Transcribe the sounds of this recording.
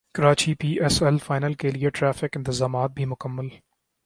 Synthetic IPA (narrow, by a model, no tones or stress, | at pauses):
kɐɾaːt͡ʃipiːʔɛsɛlfaːɪnəlkelieʈɾɛːfɪkɪ̃nt̪ɪzaːmaːt̪̚bʱimʊkəmːəl